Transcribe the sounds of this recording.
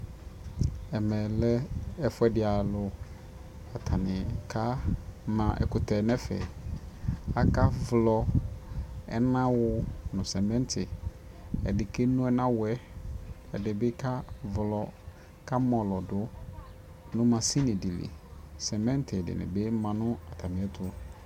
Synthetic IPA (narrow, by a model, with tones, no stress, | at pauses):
ɛ˨mɛ̃˨lɛ˦ɛ˨fʊ˦ɛ˦dɪ˨a˨lʊ˨ | a˨tʰa˨nɪ̃˨kʰa˦mã˨ʔɛ̰˨kʊ˨tʰɛ˨nɛ̃˦fɛ̰˨ | a˦ka˦vlɔ˨ | ɛ̰˦nã˦wʊ˦nʊ̃˨sɛ˨mɛ̃˦ntʰɪ˨ | ɛ̰˨dɪ˨ke˦nʊ̃˦ɛ˦nã˦wɛ˦ | ɛ˨dɪ˨bɪ˦kʰa˦vlɔ˨ | ka˦mɔ̃˨lɔ˨dʊ˨˦ | nʊ̃˦mã˨si˦nɪ̃˨di˨lḭ˨ | sɛ˨mɛ̃˦n˦tʰɪ˨ɛ˨dɪ̰˨nɪ̰̃˨bɪ˦mã˨nʊ̃˦a˨tʰa˨nɪ̃˨ɛ˦tʰʊ˦